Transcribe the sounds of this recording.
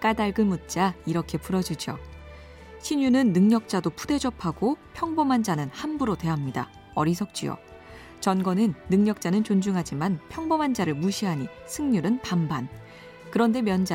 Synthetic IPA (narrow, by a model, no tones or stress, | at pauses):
k͈adaɭɡɯmut̚t͡ɕ͈aiɾʌkʰe̞puɾʌd͡ʑud͡ʑo̰ | ɕʰiɲunɯnːɯŋɲʌk̚t͡ɕ͈adopʰude̞d͡ʑʌpʰaɡopʰjʌŋbʌmɦand͡ʑanɯnhanbuɾotwe̞ɦamɲida̰ | ʌɾisʰʌk̚t͡ɕ͈ijo̰ | t͡ɕʌnɡʌnɯnːɯŋɲʌk̚t͡ɕ͈anɯnt͡ɕond͡ʑuŋɦad͡ʑimanpʰjʌŋbʌmɦand͡ʑaɾɯɭmuɕʰiɦaɲi | sʰɯŋɲuɾɯnpamban | kɯɾʌnde̞mjʌnd͡ʑa